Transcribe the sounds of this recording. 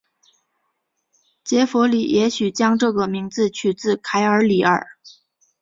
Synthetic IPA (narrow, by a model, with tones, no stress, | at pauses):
t͡ɕjɛ˧˥fwɔ˧˥li˨˩jʔɛ˧˥ɕy˨˩t͡ɕjɑ˥ŋʈ͡ʂɤ˥˩ɡə˩mi˧˥ŋt͡sɹ̩˥˧t͡ɕʰy˨˩t͡sɹ̩˥˩kʰa˧˥ɪə˞˧˥li˨˩ə̰˞˨˩˦